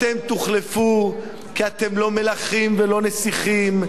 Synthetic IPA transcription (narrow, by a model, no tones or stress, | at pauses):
t̪emt̪uχlefu | kiat̪e̞mlo̞me̞laχimvelo̞nesiχim